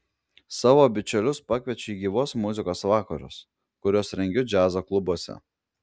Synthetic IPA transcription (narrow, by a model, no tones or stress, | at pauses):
sɑːʋoːbʲɪt͡ʃʲɛlʲʊspɑkʲʋʲɛt͡ʃʲʊiːɡʲiːʋoːsmʊzʲɪkoːsʋɑːkɐɾʊ̰s | kʊɾʲoːsɾʲɛŋʲɡʲʊd͡ʒʲæːzoːklˠʊbuɔsʲɛ̰